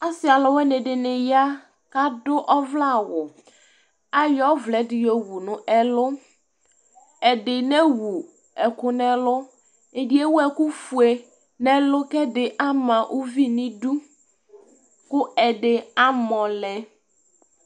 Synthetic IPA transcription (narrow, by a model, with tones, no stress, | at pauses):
a˦sɪ˨a˨lɔ˨wɛ˦nɪ̃˨dɪ˨nɪ˨ja˦ | ka˦dʊ˦ʔɔ˦vla˦˨wʊ˨ | a˦jɔ˦vlɛ˨dɪ˨jɔ˨wu˨nʊ̃˦ʔɛ˨lʊ˦ | ɛ˨dɪ˨nɛ˦wu˨ | ɛ˨kʊ˨˦nɛ̃˦lʊ˦ | e˨di˦e˦wʊ˦ɛ˨kʊ˦fu˨e˨ | nɛ̃˦lʊ˦kɛ˦dɪ˨ʔa˦mã˨ʔu˦vi˦nɪ̃˦du˦ | kʊ˦ɛ˨dɪ˨a˦mɔ̃˨lɛ˨